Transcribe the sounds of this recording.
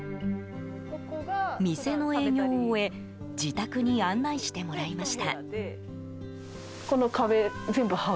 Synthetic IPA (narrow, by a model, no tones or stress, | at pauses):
mʲise̞no̞e̞ːɲʲo̞ːe̞ | d͡ʑit̪akɯɲ̟iãnːaiɕi̥t̪e̞mo̞ɾaimaɕi̥t̪a | ko̞no̞kaβe̞zẽ̞mbɯ̟ha